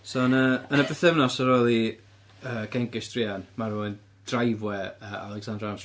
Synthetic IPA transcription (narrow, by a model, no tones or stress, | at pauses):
soənəənəbɛθɛvnɔsɔɾolˠi | əːɡʰɛŋɡɪsd̥rianmaɾoɨn | d̥rajvwɛəːa̰lˠɛɡsandrans